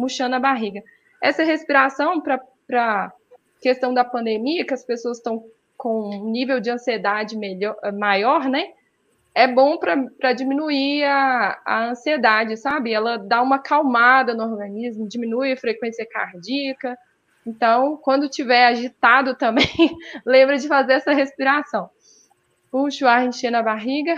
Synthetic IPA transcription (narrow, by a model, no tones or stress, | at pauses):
muʃɐ̃nɐbaɦiɡɐ | ɛsɐɦespiɾasɐ̃w̃pɾɐ | pɾɐ | kest̪ɐ̃w̃d̪ɐpɐ̃nd̪emiɐkɪɐspesoɐst̪ɐ̃w̃ | kõnivewd͡ʒɪɐ̃sied̪ad͡ʒɪmeʎɔmajɔɾnɛ | ɛbõpɾɐpɾɐd͡ʒimĩnuiaɐ̰ɐ̃sied̪ad͡ʒɪsabɪɛlɐd̪aũmɐkawmad̪ɐnʊoɾɡɐ̃nizmʊd͡ʒimĩnuijɐfɾekwẽsiɐka̰ɾd͡ʒiɐkɐ | ẽt̪ɐ̃w̃kwɐ̃nd̪ʊt͡ʃivɛɾaʒit̪ad̪ʊt̪ɐ̃mbẽj̃lẽmbɾɐd͡ʒɪfazeɾɛsɐɦespiɾasɐ̃w̃ | puʃʊaɾẽʃẽnɐbaɦiɡɐ